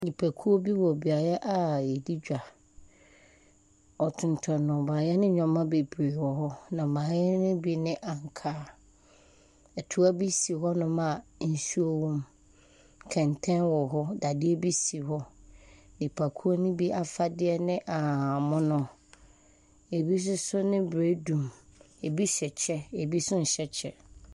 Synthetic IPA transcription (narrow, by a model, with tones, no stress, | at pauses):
ɲĩ˨pʰa˨kʰu˦o˦bi˦wɔ˨bi˨a˨ɾɛ˦ʔa˨e˨di˦d͡ʑᶣa˨ | ɔ˨tʰʊ̃˨n˨tʰɔ˨nʊ̃˨ba˨jɛ˦nɪ̃˦ɲᶣɔ̃˨mã˦be˨bɾe˨wɔ˨ɦɔ˦nã˨mã˨jɛ˦nʊ̃˦bi˦nɪ̃˦ʔa˨ŋ˨kʰaː˦ | ɛ˨tʰu˦a˦bi˦si˨ɦɔ˦nʊ̃˦mã˨n̩˦su˦o˦wɔ̃˦m | kʰɛ̃˨ntʰɛ̃˦nwɔ˨ɦɔ˦da˨dɪ˦ɛ˦bi˦si˨hɔ˦ | dɪ˨pʰa˨kʰu˦o˦nʊ̃˦bi˦ʔa˨fa˦dɪ˦ɛ˦nɪ̃˦ʔa˨mʊ̃˦nʊ̃˦ | e˨bi˦s̬ʊ˦sʊ˦nɪ̃˦bɾe˨˦dũ˨m | e˨bi˦ɕɛ˨t͡ɕʰɛ˦e˨bi˦sʊ̃˦n̩˨ɕɛ˦t͡ɕʰɛ̰˦